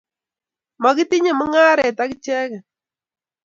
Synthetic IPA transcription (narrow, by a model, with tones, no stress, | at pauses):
mɔ˨ki˦ti˦ɲe˨mʊ˦ŋa˦ɾɛ˨ta˦kt͡ʃɛ˦k